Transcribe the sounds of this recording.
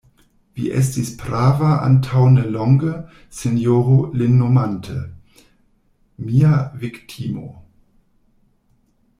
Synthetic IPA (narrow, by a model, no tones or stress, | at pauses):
vḭːʔɛ̰s̬tispʁaːvaʔa̰ntʰawnəlɔŋɡə | senjoːʁolɪnːomantʰə̰ | miːaviktʰimo̰